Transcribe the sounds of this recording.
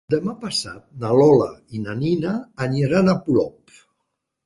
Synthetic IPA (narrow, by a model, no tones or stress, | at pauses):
d̪əmapasa̰t̪̚nalɔləinaninaːnəɾanaplɔp